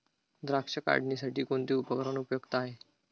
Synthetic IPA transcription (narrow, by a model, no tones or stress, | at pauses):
d̪ɾakʂəka̰ɖniːsaʈʰiːkoɳt̪iːupəkɾanupjoɡt̪əaɦe